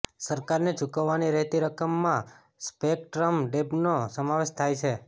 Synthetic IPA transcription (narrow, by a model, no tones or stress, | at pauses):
səɾkaɾnet͡ʃukəʋːaniɾɛɦt̪iɾəkəmːã | spek̚ʈɾəmɖebnosəmaʋeʃt̪ʰajt͡ʃʰe